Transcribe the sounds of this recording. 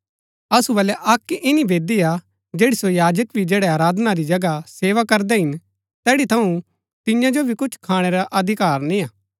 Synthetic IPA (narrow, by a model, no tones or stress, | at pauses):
ɐsubɐlɛʔɐkːɪnibeːd̪ia | d͡ʒeːɽisojaːd͡ʒəkbʱid͡ʒeːɽɛaːɾaːd̪naɾid͡ʒɐɡaseːʋakɐɾd̪ɛɦɪn | t̪ɛːɽit̪ʰɐũ | t̪ɪjãd͡ʒobʱikʊt͡ʃʰkʰaːɽ̃eɾaʔɐd̪ʱɪkaːɾnĩaː